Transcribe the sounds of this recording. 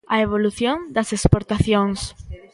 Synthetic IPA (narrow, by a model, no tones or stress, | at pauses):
ɐeβ̞oluθjõŋd̪ɐsespoɾt̪aθjoŋs